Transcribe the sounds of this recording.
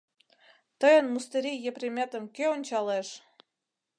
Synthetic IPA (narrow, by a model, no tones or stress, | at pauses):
t̪əjə̆nmust̪eɾʲijeprʲemʲet̪ə̆mkeonʲt͡ɕɑleʃ